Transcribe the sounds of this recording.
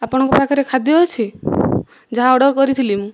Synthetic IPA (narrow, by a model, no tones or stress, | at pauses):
apɔɽ̃ɔŋkɔpakʰɔɾekʰad̪jɦɔjt͡ʃʰi | d͡ʒaɦaɔɽɔɾkɔɾit̪ʰilimũ